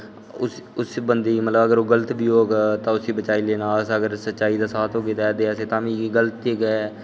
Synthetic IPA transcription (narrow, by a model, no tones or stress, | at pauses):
ʊsʊsbənd̪iːmət̪ləbəɡəɾoːɡələt̪biːɦoːɡaːt̪ãːʊsiːbət͡ʃaːiːleːnaːsəɡəɾsətːʃaːiːd̪aːsaːt̪ɦoːɡeːd̪ɛːd̪eːaseːt̪ãːʋĩɡələt̪ːeɡɛː